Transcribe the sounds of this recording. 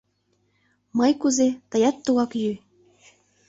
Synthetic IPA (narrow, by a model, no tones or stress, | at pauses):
mɑjkuzet̪ɤ̆jɑt̪ːuwɑkjy